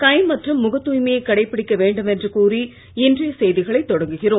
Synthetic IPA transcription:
kɐɪmɐʈrɯmːʊɣɐt̪ːuːjmɐjɐɪkːɐɽɐɪpːɪɽɪkːɐʋeːɳɖɯmɛndrɯkuːri | ɪndrɐjɐsɛjðɪɣɐɭɐɪt̪ːɔɽɐŋɡɯɣɪroːm

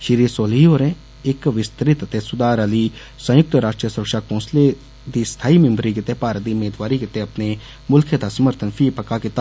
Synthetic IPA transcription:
ʃɪɾiːɾsoːliɦoːɾẽː | ɪkʋɪst̪ɾɪt̪ət̪eːsʊd̪aːɾəliː | sə̃jʊk̚t̪əɾaːʂʈɾijəsʊɾəkʃaːkɔ̃ːnsleː | d̪iːst̪ʰaːiːmɪ̃mbɾiːkɪt̪eːpaːɾət̪̚d̪iːʊmeːd̪ʋaːɾiːkɪt̪eːəpneː | mʊlkʰed̪aːsəməɾt̪ʰənpʰiːpəkaːkɪt̪aː

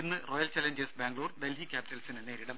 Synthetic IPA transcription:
inːɨro̞ːjɐlt͡ɕɐleɲd͡ʑesbaːŋɡɭuːrd̪elɦikʲjaːpi̥tːɐlsinene̞ːɾiɽɐm

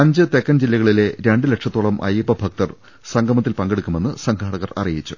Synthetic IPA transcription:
ɐɲd͡ʑɨt̪e̞kːɐnd͡ʑilːɐɣɐɭile̞ɾe̞ɳɖɨle̞ʈʂɐt̪ːuɭɐmʔɐ̰jipːɐbʱɐk̚t̪ɐr | sɐŋɡʰʱɐmɐt̪ːilpɐŋɡe̞ɽukʲːume̞nːɨsɐŋɡʰʱaːɽɐɣɐrɐ̰rijit͡ɕːu̥

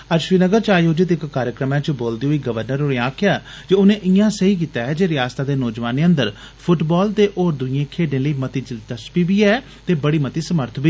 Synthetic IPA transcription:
əʃɾiːnəɡəɾt͡ʃaːjoːd͡ʒɪt̪ɪkːaːɾjəkɾəmãːt͡ʃəboːld̪iːɦʊiːɡəʋəɾnəɾoẽːãːkʰjaː | d͡ʒeːʊnẽːʔɪjãːsəiːk̬iːt̪aːɦɛːd͡ʒeːɾɪjaːst̪aːd̪eːnɔːd͡ʒʋaːneːə̃nd̪əɾ | pʰʊʈbɔːlt̪eːʔoːɾd̪ʊiːẽːkʰeːɖẽːləiːmət̪iːd͡ʒət̪əspiːbiːɛː | t̪eːbəɽiːmət̪iːsəməɾt̪ʰbiː

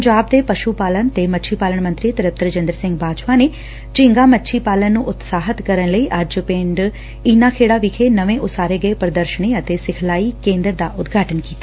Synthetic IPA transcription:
pəɲd͡ʒaːb̚d̪eːpəʃupaːlənt̪eːmətːʃʰiːpaːlənmə̃nt̪ɾit̪əɾəp̚t̪əɾd͡ʒə̃nd̪əɾsɪ̃ŋɡbaːd͡ʒʋaːneː | d͡ʒɪ̃ŋɡãːmətːʃʰiːpaːlənːũːʔʊt̪saːɦət̪kəɾənləiːʔəd͡ʒpẽɳɖ | ɪnãːkʰeːɽaːʋɪkʰeːnəʋẽːʔʊsaːɾeːɡəeːpəɾəd̪əɾʃəɳeːət̪eːsɪkʰlaːiːkẽːnd̪əɾd̪aːʔʊt̪ɡʱaːʈənkiːt̪aː

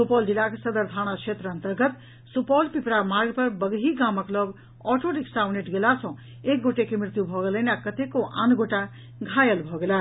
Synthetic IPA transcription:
supɔldilaksʌd̪əɾd̪ʰʱaɽ̃akʰet̪ɾəːnt̪əɾɡət̪ | supɔlpipɾamaɾɡpʌɾbʌɡɦiɡaməklʌb | ɔʈoɾiksawneʈɡelat͡sʰʌ̃w̃ | ek̚ɡoʈekemɾit̪jubʱʌɡeləjnakʌt̪ekoʔa̰nɡoʈa | ɡʱajəlbʱʌɡela

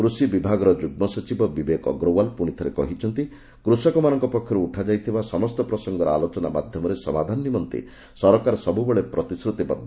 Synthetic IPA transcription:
kɾusibibʱaɡɔɾɔd͡ʒuɡ̚mɔsɔt͡ʃibɔbibekɔ̰ɡɾowalpuɽ̃it̪ʰɔɾḛkɔ̰ɦit͡ʃʰɔnt̪i | kɾusɔkɔmanɔŋkɔpɔkʰːjɔɾuuʈʰad͡ʒajt̪ʰibasɔmɔst̪ɔpɾɔsɔŋɡɔɾɔa̰lot͡ʃɔnamad̪ʱjɔmɔɾesɔmad̪ʱanɔnimɔnt̪ḛ | sɔɾɔkaɾɔsɔbubeɭepɾɔt̪isɾut̪ibɔ̰d̪ʱːɔ

